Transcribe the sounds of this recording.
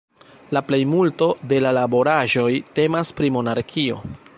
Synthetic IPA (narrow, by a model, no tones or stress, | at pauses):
laple̞jmulto̞de̞lalabo̞ɾaʒo̞jte̞maspɾimo̞naɾkʰio̞̰